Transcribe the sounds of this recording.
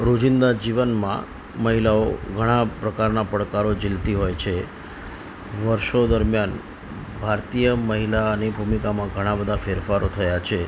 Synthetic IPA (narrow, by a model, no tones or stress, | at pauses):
ɾod͡ʒɪnd̪ad͡ʒiʋənmã̰ | məɦilaoɡʱəɽ̃apɾəkaɾnapəɽkaɾod͡ʒɪlt̪iɦojt͡ʃʰe | ʋəɾʃod̪əɾmjan | bʱaɾt̪ijəməɦilanibʱumikamãɡʱəɽ̃ãbəd̪ʱafeɾfaɾot̪ʰəjat͡ʃʰe